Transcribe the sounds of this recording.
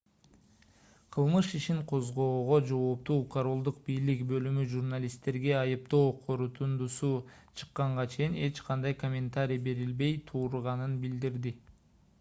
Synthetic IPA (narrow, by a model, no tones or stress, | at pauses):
qʰɯlˠmɯʃiʃiɴqʰo̞zʁo̞ːʁo̞d͡ʒo̞ːp̚t̪uːkʰoɾo̞lˠd̪uq̚bijlikbø̞lymyʒurnalʲist̪e̞ɾɡe̞ɑjɯp̚t̪oːqʰo̞ɾut̪ʰund̪usu | t͡ʃʰɯ̥qːɑɴʁɑt͡ʃʰe̞jine̞t͡ʃqʰɑnd̪ɑjko̞mʲe̞nt̪aɾʲijbe̞ɾilbe̞jt̪ʰuːɾuʁɑnɯnbild̪iɾd̪i